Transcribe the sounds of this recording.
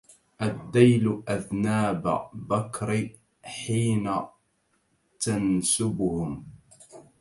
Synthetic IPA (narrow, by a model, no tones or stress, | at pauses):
ʔad̪ːajlʊʔaðnaːba̰bakɾ | ħiːna | t̪ansʊbʊhʊm